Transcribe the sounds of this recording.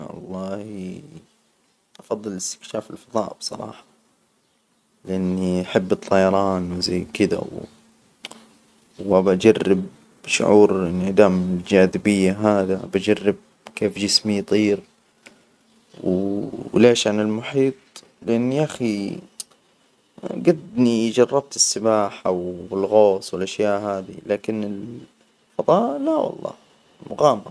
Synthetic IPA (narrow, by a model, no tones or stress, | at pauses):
ɑ̰lˤːɑːhi | ʔɑfɑðˤːɨlɪst̪ɪ̥kʃaːfɪlfɑðˤɑ̰ːʔbsˤɑ̰ɾˤɑ̰ːħɑ̥ | lɪʔanːiʔaħɪbːɨt̪ˤːɑjɑɾˤɑːnwza̰jːkɪd̪a̰w | wʔabaʔad͡ʒarːɪb | ʃʊ̰ʕuːɾɪnɪd̪aːmɪɪld͡ʒaːd̪ɪbɪjːaɦaːðaʔa̰bad͡ʒarːɪb̚ | keːfd͡ʒɪsmijt̪ˤiːɾ | w | leːʃʕanɪlmʊħiːt̪̚ˤ | lɪʔanːiʔaxi | ɡad̪nijd͡ʒɑrˤːɑb̚t̪ɪsːɪbaːħawɪlɣoːsˤwɪlʔaʃjaːʔhaːd̪ḭlaːkɪnɪl | fɑd̪ˤɑːʔlawɑ̰lˤːɑ̰ː | lmʊɣaːmɑ